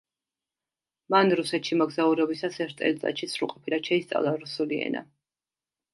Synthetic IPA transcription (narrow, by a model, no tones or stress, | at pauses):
manɾusɛt̪ʃimɔɡzauɾɛbisasɛɾt̪ʼɛ̰lt̪sʼa̰ʃit̪sʰɾṵqʼɔpʰiɾaʃʰɛist̪sʼa̰vlˠaɾusuliɛ̰na̰